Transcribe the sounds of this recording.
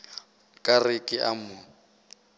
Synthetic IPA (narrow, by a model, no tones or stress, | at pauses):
kʼarɪkʼɪʔamʊ